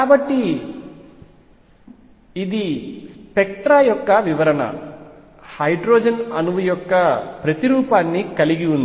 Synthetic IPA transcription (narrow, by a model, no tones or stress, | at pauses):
kaːbɐʈːi | d̪ispek̚ʈɾaːjɔkːɐʋiʋɐɾɐnɐ̰ | hɐjɖɾoːd͡ʒɐnɐnuʋujɔkːɐpɾɐt̪iɾuːpaːnːikɐliɡiund̪